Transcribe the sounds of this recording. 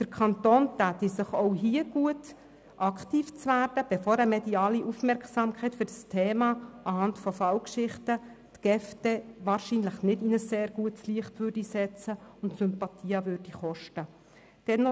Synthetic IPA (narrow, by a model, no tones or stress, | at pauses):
d̥əɾkʰɑnt̪oːnt̪æːt̪isɪχoʊɦiəɡuət | ʔɑkʰtiːft͡sʋæːɾd̥əb̥ɛfoːɾəmɛdiɑːliʔufmɛɾkχsɑːmkʰχɛɪtfʏɾdɑstʰeːmɑʔɑhɑntfɔfɑwkʃɪχtə | tɡ̥ɛftɛʋɑːɾʃiːnləχnɪdinəsːeːɾɡ̥uətsliəχtʋøɾd̥isɛt͡səʊntsʏmpɑt̪ʰiːɑʋʏrd̥iχɔʃtə | d̥ɛnːɔ